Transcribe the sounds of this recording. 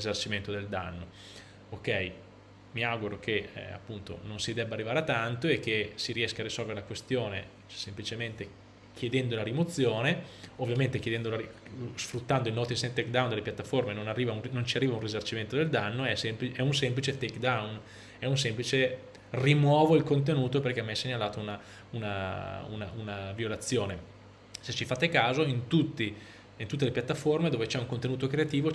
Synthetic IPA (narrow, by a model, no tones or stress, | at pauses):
izart͡ʃiment̪od̪eld̪a̰nːo | okːɛj | miawɡuɾok̟ʰḛa̰pːunt̪o̰nonsid̪ɛbːarːivaːɾet̪ant̪oek̟ːesiɾiɛskaːrisɔlveɾelakwest̪joːne | semplit͡ʃement̪e | k̟ʰjed̪ɛnd̪olaɾimot̪sːjoːneovːjament̪ek̟jed̪ɛnd̪olaɾisfɾut̪ːand̪oinɔːt̪isent̪ekd̪awnd̪elepjat̪ːaformenonarːiːvauinont͡ʃiarːiːvaunrːizart͡ʃiment̪od̪eld̪anːoɛsempiɛunsɛmplit͡ʃet̪ekd̪awn | ɛuns̬ɛmplit͡ʃe | rimwɔːvoilkont̪enuːt̪operkɛmːajseɲːalaːt̪ouna | unauna̰unavjolat̪sːjoːne | set͡ʃːifaːt̪ekaːzoint̪ut̪ːi | int̪ut̪ːelepjat̪ːaformed̪oːvet͡ʃɛuŋkont̪enuːt̪okɾeat̪iːvo